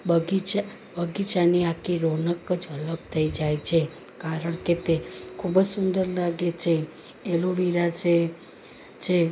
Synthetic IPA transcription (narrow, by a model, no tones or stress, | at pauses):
bəɡit͡ʃa | bəɡit͡ʃaniakʰiɾonəkəd͡ʒələp̚t̪ʰəid͡ʒajt͡ʃʰe | kaɾəɳket̪ekʰubəd͡ʒsund̪əɾlaɡet͡ʃʰe | eloʋiɾat͡ʃʰe | t͡ʃʰe